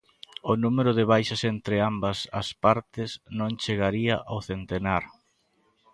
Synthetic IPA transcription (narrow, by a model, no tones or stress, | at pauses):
ʊnumeɾʊðɪβ̞ajʃɐsent̪ɾɪambɐsɐspaɾt̪ɪsnõŋt͡ʃeɣaɾiɐʔawθent̪enaɾ